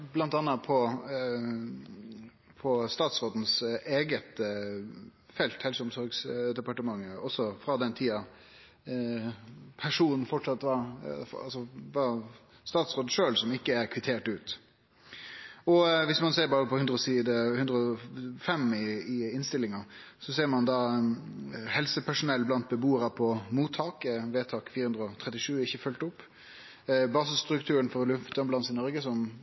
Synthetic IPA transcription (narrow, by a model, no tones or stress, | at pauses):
blɑnt̪ɑnːɑpʰɔ | pʰɔst̪ɑːt̪sʁoːd̪n̩seːɡət̪ | fɛlt̪hɛlsəʊmsɔɾɡsd̪ɛpɑʈəmɑŋːəɔsːɔfɾɑd̪ɛnt̪ʰiːɑ | pʰæʂuːnn̩fɔʈʂɑt̪ːʋɑɑ̰lsɔʋɑ | st̪ɑːt̪sʁoːd̪ʂøːlsɔmɪkːəæɾkʰʋɪt̪ʰeːʈʉːt̪ | ɔʋɪsmɑnseːɾbɑːɾəpʰɔhʉnd̪ɾəɔsiːd̪əhʉnd̪ɾəɔfɛmɪɪɪnst̪ɪlɪŋɑ | sɔseːɾmɑnd̪ɑː | hɛlsəpʰæʂʊnɛlːblɑnt̪̚bəbuːəɾɑpʰɔmuːt̪ʰːɑːkəʋeːt̪ʰɑːkfiːɾəhʉnd̪ɾəɔt̪ʰɾɛt̪ɪʂʉːɪçːəfœlt̪ʊpː | bɑːsɪsst̪ɾʉkt̪ʰʉːɾənfɔɾɔlʉft̪ɔmblɑnsɪnɔɾɡəsɔm